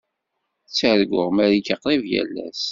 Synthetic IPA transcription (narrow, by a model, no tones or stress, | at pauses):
t͡sːəɾɡʷʊʁmæɾikəqɾˤivjæ̰lːæ̰s